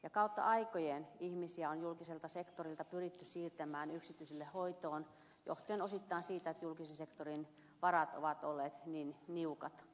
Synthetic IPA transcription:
jɑkɑut̪ːɑ̰ʔɑikojenihmisiæonjulkiselt̪ɑsekt̪orilt̪ɑpyrit̪ːyssiːrt̪æmæːnyksit̪yiselːehoit̪oːn | jo̰ht̪ieːnosit̪ːɑˑinsiːt̪æet̪julkisensekt̪orin | ʋɑrɑt̪o̰ʋɑt̪olːeːt̪ninniukɑt̪

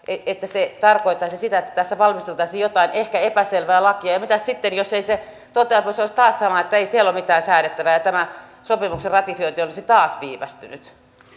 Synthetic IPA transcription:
eet̪ːæset̪ɑrkoit̪ːˑɑisisit̪æet̪ːæ̥t̪æsːæʋɑlmist̪elt̪ɑˑisijjot̪ɑinehkæepæselʋeːlɑkiɑjɑmit̪æssit̪ːenjoseise | t̪ot̪ːˑeɑposoisʲt̪ɑːssɑmɑet̪ːæeisielːomit̪æːnsæːɾet̪ːæʋæjɑt̪æmæsopimukserrɑt̪ifioit̪iolisit̪ɑːsʋiːʋæ̰st̪yny̰t̪

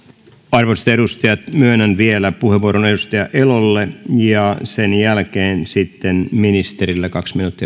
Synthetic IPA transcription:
ɑrʋose̥t̪eɾust̪ɑjɑt̪myønænʋielæpuheʋuoɾoneɾust̪ɑjɑʔelolːejɑsenjælkeːnsit̪ːenminist̪eɾilːekɑksminuːt̪ːiɑ

